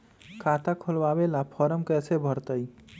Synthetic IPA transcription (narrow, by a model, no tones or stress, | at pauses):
kʰat̪akʰolbabelapʰɔɾəmkɛːsebʱəɾt̪əj